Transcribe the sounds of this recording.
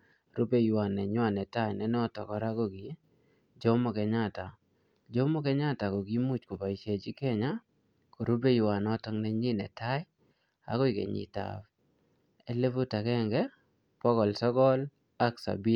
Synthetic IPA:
ɾu˦be˦jwa˨nɛ˨ɲwa˨nɛ˨ta˦jnɛ˦n˦ɔ˦tɔ˨kɔ˨ɾa˦ɡɔ˦ɡi˨ | d͡ʒo˦mɔ˦˨kɛ˨ɲa˦˨ta˨ | d͡ʒo˦mɔ˦kɛ˦ɲa˦˨ta˨ɡɔ˨ɡi˦mu˦t͡ʃko˨pa˨i˨ʃe˨d͡ʒi˦ke˦ɲa˦ | kɔ˨ɾu˦be˦jwa˨nɔ˦tɔ˦ŋnɛ˦ɲi˦nɛ̰˨ta˦j | a̰˨ɡɔ˦i˨kḛ˨ɲɪ̰˨ta̰˨f | e˦le˦bo˦ta˨kɛ˦ŋɡɛ˦ | pɔ˦kɔ˨lsɔ˦ɡɔ˦l | a˦ksa̰˨bi˦

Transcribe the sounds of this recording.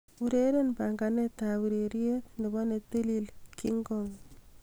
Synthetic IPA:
uɾeɾe˦npa˨ŋɡa˨ne˦ta˨wu˨ɾe˨ɾje˦tne˨bɔ˦ne˨te˦lilki˦ŋɡɔ˨ŋ

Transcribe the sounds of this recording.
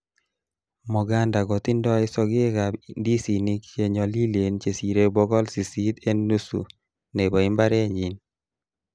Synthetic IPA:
mɔ˨ɡa˦nda˨ɡɔ˨t̪ɪ˦ndɔ˦ɪ˦sɔ˦ɡɪ˦ka˨bndi˦si˨ni˦kt͡ʃe˨ɲɔ˨li˦le˨nt͡ʃe˨si˨ɾe˦bɔ˦ɡɔ˦lsi˨si˦t̪e˦nnu˦sṵ˨ | ne˨bɔ˨i˦mba˦ɾe˦ɲi˨n

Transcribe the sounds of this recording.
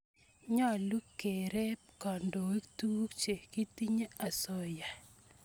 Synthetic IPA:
ɲɔ˦˨lu˦ke˨ɾe˦kɔ˨ndo˨e˦tu˦t͡ʃe˨ki˦ti˦ɲe˦a˨sɔ˨ja˨

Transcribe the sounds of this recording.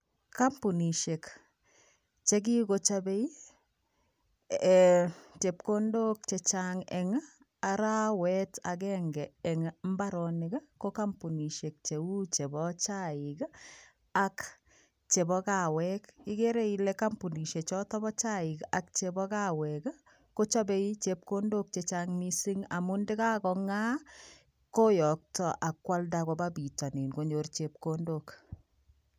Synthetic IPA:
ka˦mpu˨ni˨ʃe˨k | t͡ʃe˦k̬i˦ko˨t͡ʃabe˦i˦˨ | te˨p̚ko˦ndo˦k̚t͡ʃɛt͡ʃaŋɛ̰ŋ | a˨ɾa˦wɛta̰˨kɛŋɡɛɛŋm˦ba˦ɾɔ˨nɪɡa˦ko˦ka˦mpu˨ni˨ʃe˨k̚t͡ʃe˨u˦t͡ʃɛ˨bɔt͡ʃa˦i˨k | ak | t͡ʃe˨bɔ˦ka˨wɛ˦kɪ˦ke˦ɾe˦i˦leka˦mpu˨ni˨ʃe˨t͡ʃɔ˦tɔ˦bɔ˦t͡ʃa˦ɪ˨ka˨k̚t͡ʃe˨bɔ˦ka˦wɛk | ko˦t͡ʃɔ˦be˦i˦t͡ʃe˦p̚ko˦ndo˦k̚t͡ʃe˨t͡ʃaŋni˦si˦ŋa˨mu˦ndɪ˦ka˦kɔ˨ŋa˦ | ko˦jɔ˨k̚tɔ˦ʔa˨kwa˦lda˨kɔ˦babi˨tɔ˨ni˨nko˦ɲo˦rt͡ʃe˨p̚kondok

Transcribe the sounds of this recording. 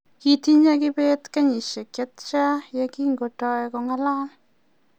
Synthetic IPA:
ki˨t̪i˦ɲa˦ki˦be˦t̪ka˦ɲi˨ʃe˨kjɛ˦t̪t͡ʃa˦ja˧ki˦ŋɡo˨tɔ˧jkɔ˧ŋa˦la˦

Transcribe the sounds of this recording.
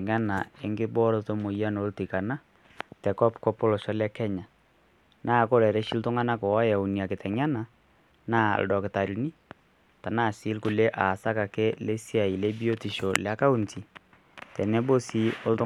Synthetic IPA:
ŋa˦na˨e˦ŋɡɪ˦bɔ˦ɾo˨to˦mo˨ja˦no˨˦lti˨ka˨na˦ | tɛ˨kɔ˦pkɔ˦pɔ˦lɔ˨ʃɔ˦lɛ˦kɛ˦ɲa˨ | nʔaː˦˨ko˦ɾɛ˨ɾe˦ʃi˦ltʊ˦ŋa˦na˦kɔ˨wa˦ja˨u˨ni˨a˨kɪ˨tʰɛ˨ŋa˦na˨ | na̰˦˨l̰dɔ˨kɪ˨ta˨ɾi˨ni˦ | ta˨na˦˨si˦lku˨le˦ʔa˨sa˦ka˨kɛ˦le˦si˦a˨i˨le˦bi˦o˦ti˨ʃo˨la˦ka˦u˦˨nti˨ | tɛ˨nɛ˦bo˦si˦o˦ltʊ˦

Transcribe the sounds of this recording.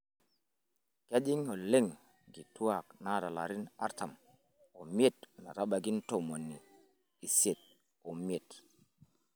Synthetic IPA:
ka˦ɗi˦ŋo˨le˦ŋ | ɡi˨tu˦a˨k̚na˦ɾa˨la̰˨ɾi˦na̰˦ɾta˨m | o˨m˦e˦tna̰˨ɾa˦ɓa˨ɡi˦nto˦˨mo˨nːiː˨ | se˨t̚ | o˨m˦e˨t

